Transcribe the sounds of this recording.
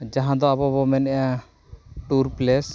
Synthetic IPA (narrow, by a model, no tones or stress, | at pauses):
d͡ʒaɦãd̪ɔabɔbɔmɛnɛja | ʈuɾplɛs